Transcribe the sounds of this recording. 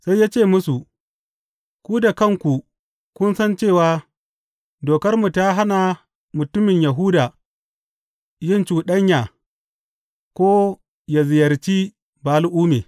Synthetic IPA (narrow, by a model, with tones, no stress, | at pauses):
sa˦jːaː˦t͡ʃeː˦˨mʊ˦su˨ | kʷuː˦da˨kɐ˦ŋkʷu˨ | kʷʊ˦nsɐ˦nt͡ʃeː˦˨waː˦ | doː˨kɐ˦rmu˨ta˦ɦa˦na˨ | mʊ˨tʊ˦mɪ˨ɲjɐ˨ɦuː˦daː˨ | jɪ˦nt͡ʃuː˨ɗɐ˦ɲjaː˨ | kʷoː˦ | ja˨zɪ˨jɐ˨rt͡ʃi˦ | baː˨˦lʔuː˦meː˨